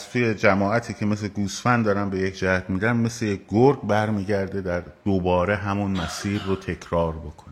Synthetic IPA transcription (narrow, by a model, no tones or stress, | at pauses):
zt̪ʰuje̞d͡ʒæmɒːæt̪ʰiːcʰe̞mesleɡuːsfænd̪ɒːɾæmbe̞jecʰd͡ʒæhæt̪miːd̪ænmeslejekɡoɾɡbæɾmiːɟæɾd̪e̞d̪æɾd̪̥obɒːɾe̞ɦæmunmæsiːɾːot̪ʰe̞cʰɾɒːɾbo̞kʰonæ